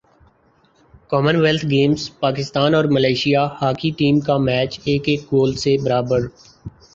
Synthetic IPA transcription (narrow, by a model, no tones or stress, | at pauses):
kɔːmənʋɛlt̪ʰɡeːmspaːkɪst̪aːnɔːɾməlaːɪʃijahaːkiʈiːmkamɛːt͡ʃeːkeːk̚ɡoːlsebɐɾaːbəɾ